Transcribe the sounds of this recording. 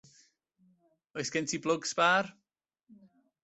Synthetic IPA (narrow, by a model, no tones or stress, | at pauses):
ɔɨskɛntʰiblˠʊɡsb̥ar